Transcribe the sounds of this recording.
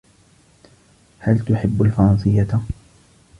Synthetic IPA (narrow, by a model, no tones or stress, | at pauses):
halt̪ʊħɪbːalfɑɾˤɑnsɨjːa